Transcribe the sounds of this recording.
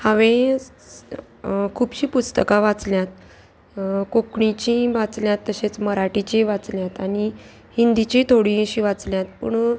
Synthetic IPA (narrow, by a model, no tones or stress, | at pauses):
hãʋẽ | kʰuːbɕiːpust̪əkaʋat͡sljãt̪ | kokɳit͡ɕĩʋat͡sljãt̪ːəɕet͡sməɾaʈit͡ɕĩʋat͡sljãt̪ani | hind̪it͡ɕit̪ʰoɽĩɕiʋat͡sljãt̪̚pə̰ɳ